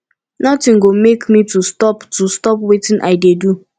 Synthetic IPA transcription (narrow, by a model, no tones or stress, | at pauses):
nɔtɪ̃ŋɡomekmitustɔptustɔpwetɪ̃nʔa̰ɪdedu